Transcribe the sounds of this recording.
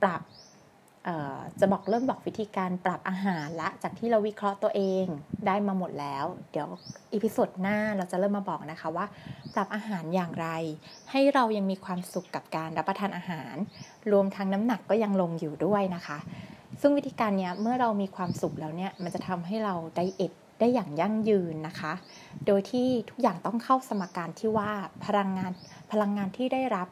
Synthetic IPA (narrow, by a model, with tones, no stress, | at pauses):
pɾa˨˩p̚ | ʔɤː˨˩t͡ɕa˨˩bɔː˨˩k̚ɾɤː˥˩mbɔː˨˩k̚wi˦˥t̪ʰiː˧kaː˧npɾa˨˩p̚ʔaː˧ɦaː˩˦nlɛ˦˥t͡ɕaː˨˩k̚t̪ʰiː˥˩ɾa˧wi˦˥kʰɾɔ˦˥ʔt̪u˧əʔeː˧ŋdaː˥˩jmaː˧mo˨˩t̪̚lɛː˦˥wdi˨˩˦wʔi˨˧˩pʰi˦˥soː˨˩t̪̚naː˥˩ɾa˧wt͡ɕa˨˩lɤː˥˩mːaː˧bɔː˨˩k̚na˦˥kʰa˦˥waː˥˩pɾa˨˩p̚ʔaː˧ɦaː˩˦njaː˨˩ŋɾa˧j | ha˥˩jɾa˧wja˧ŋmiː˧kʰwaː˧msu˨˩kːa˨˩p̚kaː˧nɾa˦˥pːɾa˧t̪ʰaː˧nʔaː˧ɦaː˩˦n | ɾu˧əmt̪ʰa˦˥ŋna˦˥mna˨˩kːɔː˥˩ja˧ŋlo˧ŋjuː˨˩du˥˩əjna˦˥kʰa˦˥ʔsɯ˥˩ŋwi˦˥t̪ʰːkaː˧nːi˦˥ɐmɯ˥˩ɐɾa˧wmiː˧kʰwaː˧msu˨˩k̚lɛː˦˥wni˥˩ɐma˧nt͡ɕa˨˩t̪ʰa˧mɦa˥˩jɾa˧wda˥˩jʔe˨˩t̪̚daː˥˩jːaː˨˩ŋja˥˩ŋjɯː˧nːa˦˥kʰa˦˥ | doː˧jt̪ʰiː˥˩t̪ʰu˦˥k̚jaː˨˩ŋt̪ɔ˥˩ŋkʰa˥˩wsa˧ma˧kːaː˧nt̪ʰiː˥˩waː˥˩pʰa˧ɾa˧ŋːaː˧n | pʰa˧la˧ŋːaː˧nt̪ʰiː˥˩da˥˩jɾa˦˥p̚